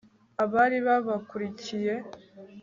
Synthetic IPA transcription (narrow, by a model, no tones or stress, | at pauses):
aβaɾiβaβakuɾicije̞